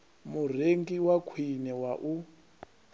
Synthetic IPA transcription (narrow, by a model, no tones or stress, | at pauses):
mur̤eŋɡiwakʰwinɛwaʔu